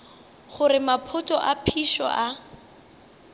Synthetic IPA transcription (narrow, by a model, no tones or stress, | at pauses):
χʊrɪmapʰʊtʼɔʔapʰiʃɔ̰ʔa